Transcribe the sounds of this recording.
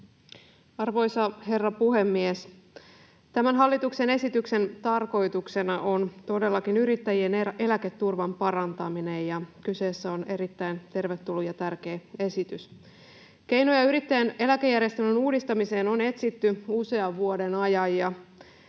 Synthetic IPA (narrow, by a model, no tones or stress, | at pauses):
ɑrʋo̞jsɑɦe̞rːɑpuɦe̞mːies | t̪æmænɦɑlːit̪ukse̞ne̞sit̪ykse̞nt̪ɑrko̞jt̪ukse̞nɑʔo̞nt̪o̞de̞lːɑkinyɾit̪ːæjie̞ne̞læket̪ːurʋɑmpɑɾɑnt̪ɑminejjɑkyse̞ːsːæo̞ne̞ɾit̪ːæint̪e̞rʋet̪ːulːujɑt̪ærk̟e̞ːe̞sit̪ys | k̟e̞jno̞jɑyɾit̪ːæjæne̞læke̞jːæɾjest̪ønenuːdist̪ɑmise̞ːno̞ne̞t̪sit̪ːyuse̞ɑʋːuode̞nɑjɑjjɑ